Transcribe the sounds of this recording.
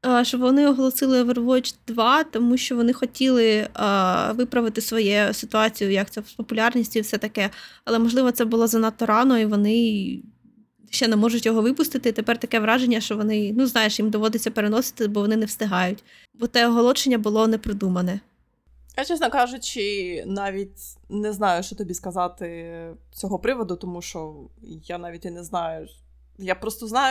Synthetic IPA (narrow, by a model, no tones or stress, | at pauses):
ʃt͡ʃɔbʋɔnɪɔɦɔlˠɔsɪlˠɪʋerʋɔt͡ʃd̪̥ʋɑt̪ɔmuʃt͡ʃɔʋɔnɪxɔtʲilˠɪ | ʋɪpɾɐʋɪt̪ɪsʋɔjɛsɪt̪ʊɑt͡sʲijʊjɐk̚t̪ɛspɔpʊlʲɑrnʲisʲtʲiwsɛt̪ɐkɛɐlˠɛmɔʒlˠɪʋɔt̪ɛbʊlˠɔzɐnɐt̪ːɔɾɑnɔiʋɔnɪ | ʃɛnɛmɔʒʊtʲjɔɦɔʋɪpʊst̪ɪt̪ɪt̪epɛrt̪ɐkɛʋɾɑʒenʲːɐʃt͡ʃɔʋɔnɪnuznɑjeʃjimd̪ɔʋɔd̪et͡sʲːɐpeɾenɔsɪ̥t̪ɪbɔʋɔnɪnɛwst̪ɪɦɑjʊtʲ | bɔt̪ɛɔɦɔlˠɔt͡ʃenʲːɐbʊlˠɔnɛpɾɪd̪umɐnɛ | jat͡ʃɛsnɔkɑʒʊt͡ʃɪnɑʋʲitʲnɛznɑjʊʃt͡ʃɔt̪ɔbʲiskɐzɑt̪ɪt͡sʲɔɦɔpɾɪʋɔd̪ʊt̪ɔmuʃt͡ʃɔjanɑʋʲitʲinɛznɑjʊ | japɾɔst̪ɔznɑjʊ